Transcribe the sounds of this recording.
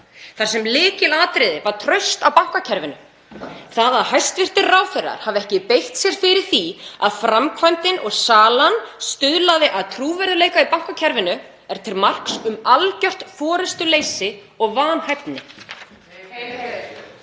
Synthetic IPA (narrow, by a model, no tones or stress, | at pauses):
θḁsɛmlɪːcɪlaːt̪ɾɪðɪvaɾ̥t̪ʰɾœɥst̪awpawŋ̥kacʰɛɾvɪnʏ | θaːðaðhajst̪vɪr̥t̪ɪrraːwfɪrːa̰ɾ̥havɛhcɪpejht̪sjɛɾ̥fɪɾɪɾ̥θia̰ðfɾamkʰvajmt̪ɪnɔɣsaːlanst̪ʏðlaðɪʔaðt̪ʰɾuːvɛɾðɪleːjkaipawŋ̥kacʰɛɾvɪnʏ | ɛɾ̥t̪ʰɪlmar̥ksʏmalcœl̥t̪fɔːɾʏst̪ʏleːjsɪ | ɔɣvaːnhajpnɪ